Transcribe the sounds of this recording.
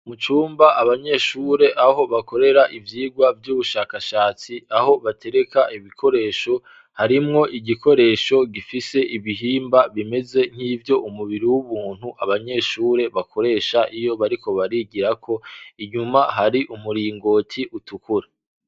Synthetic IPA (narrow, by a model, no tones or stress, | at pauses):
mut͡ʃuːmbaʔaβaɲe̞ʃuɾe̞ʔaho̞βako̞ɾe̞ɾaʔivjiːɡwavjuːβuʃaːkaʃaːt͡siaho̞βatʰe̞ɾe̞kaʔiβikʰo̞ɾe̞ːʃo̞ | haɾimŋo̞ʔiɟikʰo̞ɾe̞ːʃo̞ɡifise̞ʔiβiɦiːmbaβime̞ze̞ŋ̥hiːvjo̞ʔumuβiɾiwuβuːn̥huʔaβaɲe̞ʃuːɾe̞βakʰo̞ɾe̞ːʃaʔijo̞βaɾiko̞βaɾiɡiɾakʰo̞iɲumaɦaɾiʔumuɾiːŋɡo̞ːtʰiʔutukuɾe